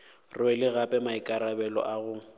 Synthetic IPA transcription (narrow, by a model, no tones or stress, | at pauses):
rʊɛlɪɣapʼɛmaikʼaɾabɛlɔ̰ʔaɣʊ